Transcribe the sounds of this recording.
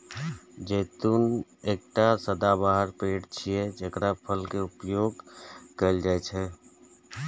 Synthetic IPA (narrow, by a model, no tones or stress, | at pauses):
d͡ʒeːt̪uːneːk̚ʈasəd̪abaːɦəɾpeːʈt͡ʃʰied͡ʒəkɾapʰəlkeʊpjoːɡkəld͡ʒaet͡ʃʰe